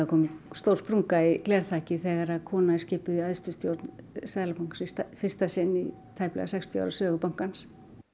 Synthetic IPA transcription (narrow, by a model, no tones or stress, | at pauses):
akʰɔːmʏst̪owrspɾuŋkaiklɛːɾ̥t̪ʰaːcɪθɛɣaɾaðkʰɔːnaɛscɪːpʏðiaðst̪ʏst̪jowɾt̪nsaːðlapawŋ̥ksɪt̪afɪr̥st̪asɪnːi | t̪ʰaːjplɛ̰ɣasɛkst̪ʰja̰wɾasœːɣʏpawŋ̥kans